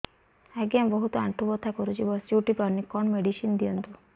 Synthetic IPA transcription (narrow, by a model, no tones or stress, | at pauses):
aɡiambɔɦut̪ɔaɳʈʰubɔt̪ʰakɔɾut͡ʃʰibɔsd͡ʒuʈipaɾnikɔnmeɖiʃind̪ijɔnt̪u